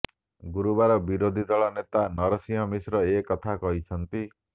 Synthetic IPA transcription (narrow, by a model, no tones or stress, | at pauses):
ɡuɾubaɾɔbiɾod̪ʱid̪ɔɭɔnet̪anɔɾɔsĩɦɔmisɾɔekɔt̪ʰakɔɦit͡ʃʰɔnt̪i